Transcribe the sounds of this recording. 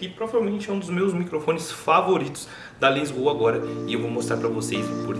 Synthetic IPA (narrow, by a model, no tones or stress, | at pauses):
kɪpɾovavewmẽnt͡ʃɪɛũd̪ʊzmewzmikɾofõnɪsfavoɾit̪ʊ̥s | d̪ɐlĩzbowɐaɡɔɾɐɪewvomost̪ɾaɾpɾɐvosejspoɾ